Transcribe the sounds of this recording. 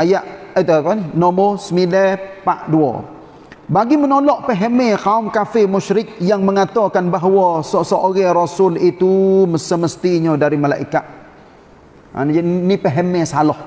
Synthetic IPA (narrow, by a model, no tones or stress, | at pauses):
ajaʔət̪uat̪aninɔmɔsəmilɛpaʔduɔ̰ | baɡimənolɔʔpəɦemekaumkafɪmuʃɾɪk̚jaŋməŋat̪ɔkanbaɦwɔsɔsoʔoɣɛɾosʊlit̪uməsəməst̪iɲədaɾimala̰ʔikat̪̚ | a̰nd͡ʒnipəɦemesalɔh